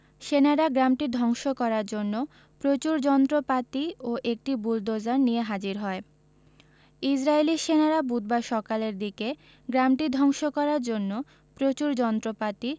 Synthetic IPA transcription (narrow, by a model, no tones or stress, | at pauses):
ʃenaɾaɡɾamʈid̪ʱɔŋʃokɔɾaɾd͡ʑonːo | pɾot͡ɕuɾd͡ʑɔnt̪ɾopat̪ioʔek̚ʈibuld̪ozaɾnijeɦad͡ʑiɾɦɔe | id͡ʑɾaeliʃenaɾabud̪̚baʃɔkaleɾd̪ike | ɡɾamʈid̪ʱɔŋʃokɔɾaɾd͡ʑonːo | pɾot͡ɕuɾd͡ʑɔnt̪ɾopat̪i